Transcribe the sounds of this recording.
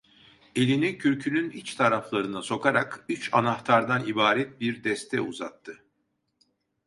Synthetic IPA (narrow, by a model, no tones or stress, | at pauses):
e̞lʲinicʰyɾʲcʰynynit͡ʃt̪ʰaɾaflˠaɾɯnaso̞kʰaɾakyt͡ʃanaxt̪ʰaɾd̪anibaːɾɛt̪̚biɾd̪ɛst̪ʰɛ̰ṵza̰t̪ʰːɯ